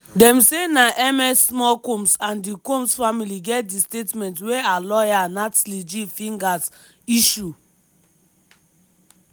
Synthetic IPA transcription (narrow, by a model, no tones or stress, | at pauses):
dɛ̃msenaʔɛmɛsːmɔkõmsãndikõmsfamiliɡɛt̚distetmɛ̃ntwealɔjanatlid͡ʒifĩŋɡas | iʃu